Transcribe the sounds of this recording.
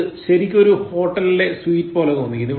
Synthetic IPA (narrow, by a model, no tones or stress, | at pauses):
ɨɕɐɾikʲːo̞ɾuho̞ːʈːɐlile̞swiːtːɨpo̞ːlet̪o̞ːnːikʲːunːiʋ